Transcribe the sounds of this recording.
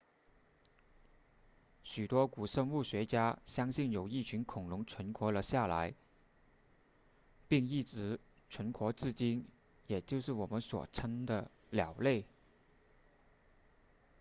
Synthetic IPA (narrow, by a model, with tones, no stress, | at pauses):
ɕy˨˩t̪wɔ˥ku˨˩ʂə˥ŋu˥˩ɕɥɛ˧˥t͡ɕja˥ɕjɑ˥ŋɕi˥˩njo˨˩ʊi˥˩t͡ɕʰy˧˥nkʰʊ˨˩ŋlʊ˧˥ŋʈ͡ʂʰwə˧˥nkʰwɔ˧˥lə˧ɕja˥˩la̰˧˥ɪ | pi˥˧ŋi˥˩ʈ͡ʂɻ̩˧˥ | ʈ͡ʂʰwə˧˥nkʰwɔ˧˥t͡sɹ̩˥˩t͡ɕi˥n | jɛ˨˩t͡ɕjo˥˧ʊʂɻ̩˥˩wɔ˨˩mə˦nswɔ̰˨˩ʈ͡ʂʰə˥nd̪ə˧ | ljɑ˨˩ʊle˥˩ɪ